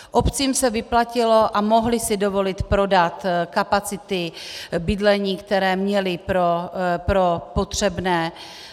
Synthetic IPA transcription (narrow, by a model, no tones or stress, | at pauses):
ʔopt͡siːmsɛvɪplacɪlo̞ʔamo̞ɦlɪsɪdo̞vo̞lɪt̪pɾo̞dat̪kapat͡sɪt̪ɪbɪdlɛɲiːkt̪ɛɾɛːmɲɛlɪpɾopɾopot̪r̝̥ɛbnɛː